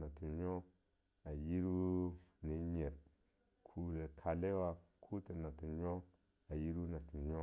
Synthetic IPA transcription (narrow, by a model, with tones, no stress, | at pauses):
na˨tu˨ɲo˦ | a˨ji˦ɾu˦ni˨˦ɲe˨ɾ | kʰu˨le˨kʰa˨le˦wa˦kʰu˦te˨na˨tu˨ɲo˦ | a˨ji˦ɾu˦na˨tu˨ɲo˦